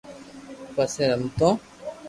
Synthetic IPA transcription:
pɐseɾɐmt̪ɔ̃

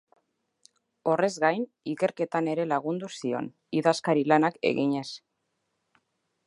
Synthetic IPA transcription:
o̞re̞zɣajn | ike̞ɾke̞t̪ane̞ɾe̞laɣ̞und̪usio̞̰n | iðaskaɾilanake̞̰ɣiɲe̞s

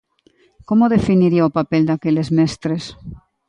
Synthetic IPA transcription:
komoðefiniɾiaopapeld̪akelezmest̪ɾes

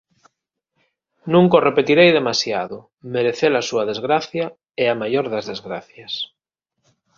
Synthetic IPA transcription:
nũŋkorepet̪iɾejðemasjaðʊ | meɾeθeɾasuað̞ezɣɾaθja | eamajoɾðazðezɣɾaθjas

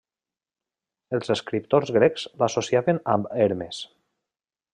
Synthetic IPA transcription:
əlˠzəskɾip̚t̪oɾzɣɾɛkz̥lasosiaβənambeɾmes

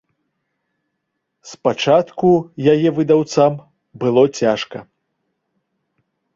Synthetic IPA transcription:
spat͡ʂat̪kujajɛvɨd̪awt̪sam | bɨlˠɔt͡sʲaʂkɐ̰

